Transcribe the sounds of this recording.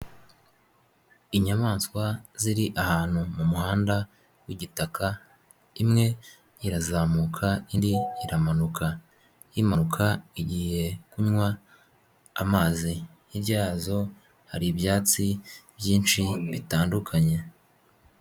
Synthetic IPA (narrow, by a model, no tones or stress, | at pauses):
iɲamaːnskwaziɾiʔahaːn̥humumuhaːnda | wiɟitakʰa | imŋe̞ | jiɾazaːmuːkʰaindiiɾamanuka | jimanukʰaiɟiːhe̞kuɲŋwaː | maːzi | ibɟaːzo̞ | haɾibjaːt͡sibjiːnʃiβitaːndukʰaɲe̞